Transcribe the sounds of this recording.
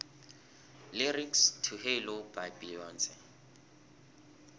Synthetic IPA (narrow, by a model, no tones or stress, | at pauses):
lɪrikstʰuhelob̥abilɔːnt͡sʼɪ